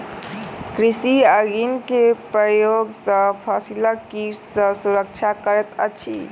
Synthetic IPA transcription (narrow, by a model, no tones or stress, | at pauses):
kɾisiəɡinkepɾəjoɡsə̃pʰasiləkiɾsə̃suɾək̚t͡ʃʰakəɾet̪ə̰t͡ʃʰḭ